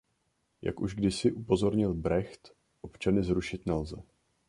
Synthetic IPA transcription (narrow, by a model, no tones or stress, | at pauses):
jʔa̰kʔuʒɡdɪsɪʔupo̞zo̞ɾɲɪlbɾɛxt̪ | ʔo̞pt͡ʃanɪzɾuʃɪt̪nɛlzɛ̰